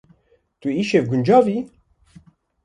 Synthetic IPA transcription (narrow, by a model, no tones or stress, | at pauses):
t̪uiʃevɡund͡ʒɑvi